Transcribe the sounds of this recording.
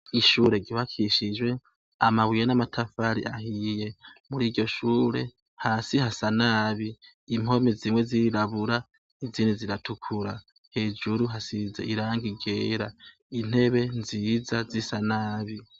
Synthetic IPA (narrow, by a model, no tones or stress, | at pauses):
iʃuːɾe̞ɡiβakʰiʃid͡ʒwe̞ | amaβwijenamatʰafaɾḭʔahije̞muɾiːɟo̞ʃuːɾe̞̰ | haːsihasanaːβiː | mo̞miziːmwe̞ziɾaβuɾa | iziːniziɾatʰukʰuɾa | heːd͡ʒuɾuɦasizeiɾaːŋɡiɡe̞ːɾa | in̥he̞βe̞nziːzazisanaːβi